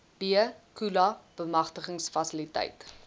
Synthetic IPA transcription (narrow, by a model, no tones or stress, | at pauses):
b̥iəkulɐb̥əmɐχtəχəŋsfɐsilitə̰jt